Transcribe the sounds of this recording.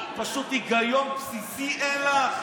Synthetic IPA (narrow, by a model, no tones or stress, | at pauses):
paʃut̪iɡajompsisiʔela